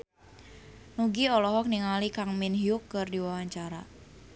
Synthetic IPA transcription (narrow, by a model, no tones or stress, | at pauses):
nuɡiɔlɔɦɔk̚niŋalikaŋminɦiukːɨrdiwawaɲt͡ʃaɾa̰